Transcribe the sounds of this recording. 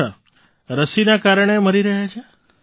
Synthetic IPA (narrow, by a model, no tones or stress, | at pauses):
a̰ | ɾəsinakaɾɳ̃eməɾiɾəɦjat͡ʃʰe